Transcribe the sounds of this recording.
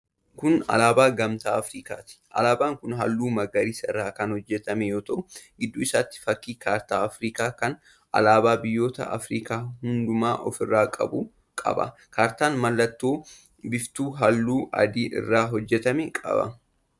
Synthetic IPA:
kʊnɐ̰laːbaːɡɐmt̪aːɐfɾiːka̰ːt̪ɪ̥ʔɐ̰laːbaːŋkʊnɦɐlːuːmɐɡɐɾiːsɐɪrːaːkɐnhɔd͡ʒːɛt̪ɐmɛjoːt̪ɐʔʊɡɪd̪ːuːɪsaːt̪ːɪ̥fɐkːiːkaːɾt̪aːɐfɾiːkaːkɐn | ʔɐ̰laːbaːbɪjːo̞ːt̪ɐ̰ʔɐ̰fɾiːkaːhʊnd̪ʊmaːʔɔ̰fɪrːaːkʼɐ̰bu | kʼɐ̰bɐ̰ | kaːɾt̪aːnmɐlːɐt̪ːoː | bɪft̪uːɦɐlːuːʔɐ̰d̪iːʔɪ̰rːaːɦɔd͡ʒːɛt̪ɐmɛkʼɐ̰bɐ̰

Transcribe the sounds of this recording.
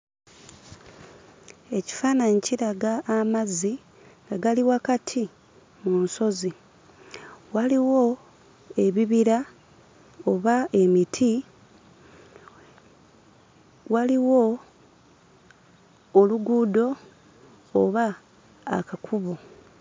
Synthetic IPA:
e̞ci̥faːnaɲiciɾaɡaːmazi | ŋɡaɡaliwakatʰi | munso̞zi | waliwo̞ | e̞βiβiɾa | oβae̞mitʰi | waliwo̞ | luɡuːdo̞ː | βa̰ː | kakʰuβo

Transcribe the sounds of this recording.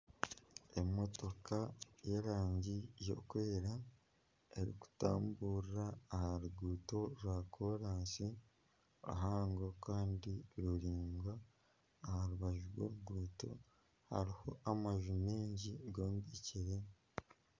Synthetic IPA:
e̞mo̞to̞kajeɾaːɲɟijo̞̰kwe̞ːɾa | eɾḭku̥ta̰ːmbuːɾɾaːhaɾuɡuːto̞ɾwaːkʰo̞ːɾaːnsi | a̰ɦaːŋɡo̞kaːndiɾuɾiːŋɡwaː | haɾuβaʒuɾwo̰ɾuɡuːto̞̰ | ha̰ɾiho̞ʔamaʒumeːɲɟiɡoːmɡeciɾe

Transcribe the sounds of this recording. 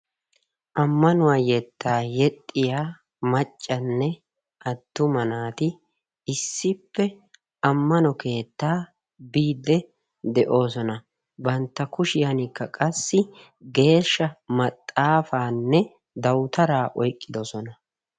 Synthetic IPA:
ʔɐmːɐnʊwaːjɛt̪ːaːjɛt̪ʼːɪjaː | mɐt͡ʃʼːɐnːɛ | ʔɐd̪ːʊmɐnaːt̪ɪ | ɪsːɪpːɛ | ɐmːɐnɔke̞ːt̪ːaː | biːd̪ːɛ | d̪ɛʔo̞ːsɔnɐ | bɐnt̪ːɐkʊʃɪjɐnɪkːɐkʼɐsːɪ | ɡe̞ːʃːɐmɐt̪ʼːaːfaːnːɛ | d̪ɐwt̪ɐɾaːʔɔjkʼːɪd̪ɔsɔnɐ

